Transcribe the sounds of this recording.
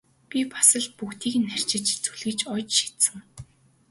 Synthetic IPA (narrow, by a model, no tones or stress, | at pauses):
pʲipḁsə̆ɮpukt̪iːkɘ̆nːær̥ʲt͡ɕɪ̆t͡ɕt͡suɮɘ̆t͡ɕɔt͡ɕʃi̥t̪sɘ̆ŋ